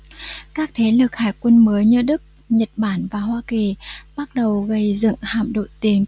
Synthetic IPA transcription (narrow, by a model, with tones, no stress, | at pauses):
kaː˦˥k̚t̪ʰe˨˦lɨ˨˩k̚haː˧˩jkwə˧nməː˨˦jɲɨ̰˧ɗɨ˦˥k̚ | ɲə˨˩t̚ɓaː˧˩nvaː˨˩hwaː˧ki˨˩ɓa˦˥t̚ɗə˨˩wɣə˧jzɨ̰˧˨ŋha̰ː˧˨mɗo̰˧˨jt̪i˨˦ən